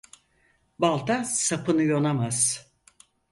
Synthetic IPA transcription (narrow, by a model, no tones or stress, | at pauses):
balˠt̪ʰasapɯnɯjo̞namaz̥